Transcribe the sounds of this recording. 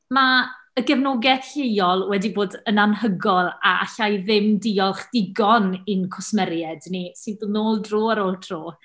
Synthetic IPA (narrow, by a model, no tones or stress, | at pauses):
ma | əɡɛvnoːɡɛθɬejɔlˠwɛdiboːdənanɦəɡɔlˠa̰a̰ɬajðɪmdiːɔlˠχd̥ɪɡɔnɪnkʰʊsmɛɾjɛdnisɪndʊnoːlˠdroːaɾoːlˠtʰroː